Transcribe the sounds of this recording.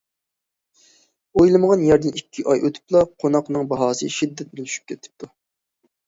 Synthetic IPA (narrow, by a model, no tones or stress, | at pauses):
ojlˠɨməʁɑnjɛɾd̪ɪnikʲʰːiʔɑjʔøt̪ʰy̥plˠɑqʰonɑqnɨŋbɑɦɑːsɨ̰ʃid̪ːɛt̪̚bɪlyʃy̥p̚kʲʰɛt̪ʰɪ̥p̚t̪ʰu